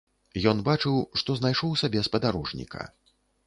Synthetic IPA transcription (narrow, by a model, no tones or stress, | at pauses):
jɔnbat͡ʂɨwʂt̪ɔznajʂɔwsʲabʲɛspɐd̪aɾɔʐnʲḭkʰɐ̰